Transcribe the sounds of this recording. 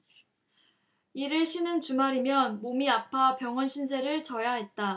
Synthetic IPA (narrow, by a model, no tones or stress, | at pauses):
iɾɯɭɕʰinɯnt͡ɕumaɾimjʌnmomiapʰapjʌŋʌnɕʰind͡ʑe̞ɾɯɭt͡ɕʌjaɦe̞t̚t͈a